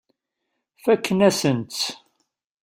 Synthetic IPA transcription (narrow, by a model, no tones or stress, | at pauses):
fækːənæsənt̪